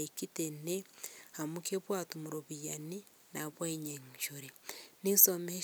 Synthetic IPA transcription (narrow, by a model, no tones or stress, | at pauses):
ikitenehamukeβwaːtumuɾoβijani | naβwaiɲeŋʃoɾenisome